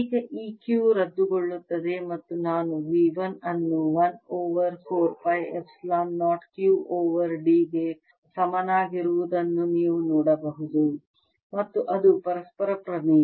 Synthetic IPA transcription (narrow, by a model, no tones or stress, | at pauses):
ikɐʔiːkjuːɾɐd̪ːuɡoɭːut̪ːɐd̪emɐt̪ːunaːnuʋiːʋɐnɐnːuʋɐnoːʋɐɾkʰoːɾpɐjepʰslaːnːaːʈkjuːoːʋɐɾɖiːɡe | sɐmɐnaːɡiɾuʋud̪ɐnːuniːʋunɔːɽɐbɐɦud̪u | mɐt̪ːuʔɐd̪upɐɾɐspɐɾɐpɾɐmi